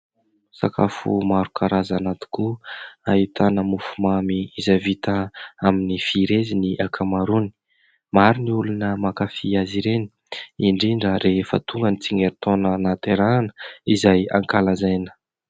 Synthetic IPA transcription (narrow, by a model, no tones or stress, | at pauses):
sa̰kafṵmaɾukʰaɾazanat̪i̥kuaɦit̪anəmufumamiizavit̪əaminifiɾeziniʔakʰamaɾuni̥ | maɾiniulunəmakafiaziɾeni̥ | iɳɖ͡ʐiɳɖ͡ʐəɾefə̰t̪uŋɡənit͡siŋeɾit̪onənat̪eɾanə̥izajaŋkalazajnə̥